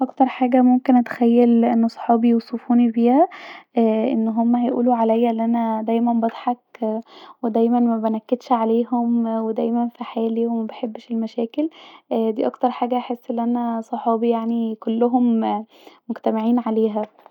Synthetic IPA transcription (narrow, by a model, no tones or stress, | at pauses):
ʔɑkt̪ɑɾˤħaːɡæmomkenʔæt̪e̥xæjːælʔenːosˤħɑːbijewsˤefuːnibiːhæ | ʔenːɦomːæhæjʔṵːluʕalæjːæʔlːʔænæd̪æjmænbɑd̪ˤħɑk | wed̪æjmænmæbenækːed̪ʃʕaleːɦomwed̪æjmænfiħaajæliːwemæbeħebːʃelmæʃæːkeld̪iːʔɑkt̪ɑɾˤħaːɡæʔaħesːʔelːʔænæsˤɑħɑːbijaʕnikolːoɦom | moɡt̪æmeʕiːnʕaleːɦæ